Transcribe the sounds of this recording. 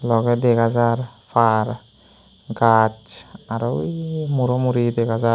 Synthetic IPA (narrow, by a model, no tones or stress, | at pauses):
lɔɡɛd̪eɡazaɾpʰaɾ | ɡat͡ʃaɾɔmuɾɔmuɾid̪ekaza